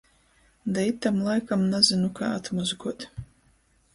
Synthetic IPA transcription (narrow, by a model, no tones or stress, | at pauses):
d̪ait̪ːamlˠajkamnazinuka̰ːat̪mɔzɡuɔt̪